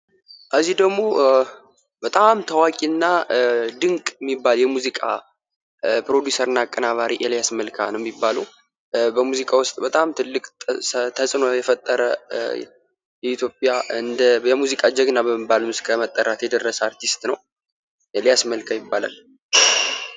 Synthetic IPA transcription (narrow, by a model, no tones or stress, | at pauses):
ʔʰəzːihd̪əɡmo̞ | b̥ət̪ʼamt̪ʰəwakʼinːad̪ɨŋkʼjmːibːaljɛmuzikʼa̰ | pɾo̞d̪jusəɾɨnːakʼːənaβaɾiʔɛljasməlkʰa̰nəwjɛmːibːalṵw | bəmuzikʼawʊst̪ʼbət̪ʼamt̪ʰɨlːɨkʼt̪ʰəsʼno̞jɛfət̪ʼːəɾə | jɛit̪ʰjo̞pʼjaɨnd̪əjɛmuzikʼad͡ʒɛɡnabəmːəbːalmɨskʰəmət̪ʼːəɾat̪jɛd̪ərːəsəaɾt̪ʰist̪nəw | jɛljasməlkʰajɪbːala̰l